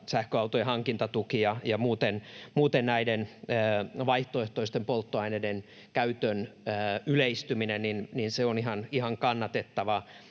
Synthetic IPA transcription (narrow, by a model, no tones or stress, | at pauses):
sæhkøɑut̪ojɑhɑŋkint̪ɑt̪ukijɑjɑmuːt̪enmuːt̪ennæidenøːʋɑiht̪oeht̪oist̪empolt̪ːoɑineden | kæyt̪ønːyleist̪yminenninninseonihɑnihɑŋkɑnːɑt̪et̪ːɑʋɑ